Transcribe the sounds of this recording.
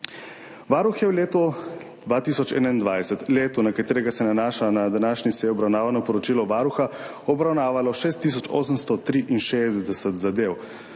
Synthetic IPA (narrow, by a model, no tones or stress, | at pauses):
ʋaːɾuxjɛwleːt̪ɔd̪ʋaːt̪iːsɔt͡ʃɛ̰ːnaind̪ʋajsɛt̪leːt̪unakat̪eːɾɛɡasɛnanaːʃanad̪anaːʃnisɛːjɔbɾawnaːʋanɔpɔɾɔt͡ʃiːlɔʋaːɾuxa | ɔbɾawnaːʋalɔʃeːst̪ːisɔt͡ʃo̰ːsəmst̪ɔt̪ɾiʔinʃeːzd̪ɛsɛt̪zad̪ew